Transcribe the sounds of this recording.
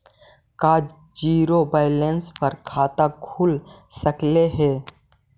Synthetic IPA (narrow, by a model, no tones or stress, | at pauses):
kaːd͡ʒ | d͡ʒiːɾobaːɪlẽnspəɾkʰaːt̪akʰuːl | səkleɦɛː